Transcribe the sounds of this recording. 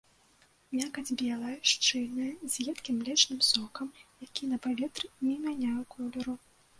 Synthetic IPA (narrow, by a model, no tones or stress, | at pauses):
mʲakɐd͡zʲbʲɛlˠɐjɐʂt͡ʂɨlʲnɐjɐzʲjʲɛt̪kʲimlʲɛt͡ʂnɨmsɔkɐmjakʲinɐpavʲɛt̪rɨmʲimʲanʲajwkʰɔlʲɛɾu